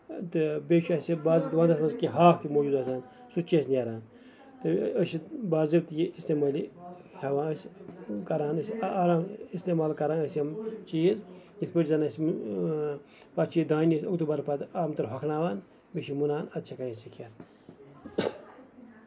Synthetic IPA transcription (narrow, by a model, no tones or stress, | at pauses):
t̪ɨbeʃiɐsibaːzit̪ʋaːnd̪ɐsmɐnzkiɦaːkʰt̪imoːd͡ʒuːd̪ɐsaːn | sut͡ʃiɐsnʲɐɾaːn | t̪ɨəʃit̪baːzibt̪jiist̪eːmaːli | heʋãːskɐɾaːnɐsːɾaːmist̪eːmaːlkɐɾaːnəsʲɐmt͡ʃiizjispəʈʲzanɐs | pɐt͡ʃʰijid̪aːnisʲɐkt̪ubɐɾpɐt̪aːmt̪ɨɾɦɐkʰnaːʋaːn | beʃimunaːnɐt̪t͡ʃʰekanisikʰɐt̪